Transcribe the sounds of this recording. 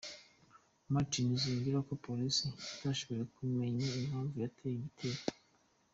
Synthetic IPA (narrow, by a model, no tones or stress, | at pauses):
matiniziɲɡiɾako̞polisizaʃoβoɾekume̞ɲaimaːɱvujatʰejiɡitʰeːɾa